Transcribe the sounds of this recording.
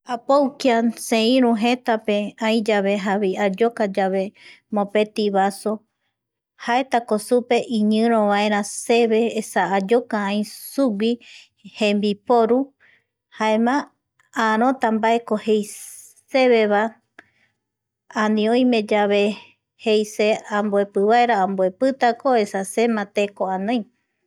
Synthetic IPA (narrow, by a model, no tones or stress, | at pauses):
apowkiasẽĩɾũɦet̪ape̞ãjd͡ʒaβe̞ɦaβiad͡ʒokad͡ʒaβe̞ | mõpe̞t̪iβaso | haet̪akosupe̞ʔĩɲɨ̃ɾ̃õβaẽɾ̃ãseβe̞ːsaːd͡ʒo̞kaãĩsuɡʷi | hẽmbipoɾu | haemã | aɾ̃õ̞t̪ambaeko̞hej | se̞βe̞βa | anĩõj̃mẽ̞d͡ʒaβe̞ | hejseãmboe̞pɨβaeɾaãmboe̞pɨt̪akoe̞sase̞mãt̪ekoanõj